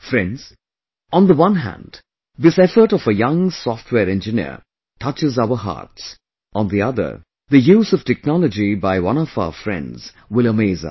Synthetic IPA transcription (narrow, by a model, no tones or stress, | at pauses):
fɹɛ̃ndz̥ | ə̃nðəwʌ̃nɦæ̰̃nd | ðɪsɛfə˞ɾɔvəjʌ̃ŋsɔftʰwɛːɹɛ̃nd͡ʒɨnḭɹ | tʰʌt͡ʃɨzaʊə˞ɦɑ̰ːɹts | ə̃nðiʌðə̰˞ | ðɨjuːzʌv̥tʰɛk̚nɑləd͡ʒibaɪwʌ̰̃ñɔva̰ʊəfɹɛ̰̃ndz̥ | wɪlˠəmeɪzʌ̰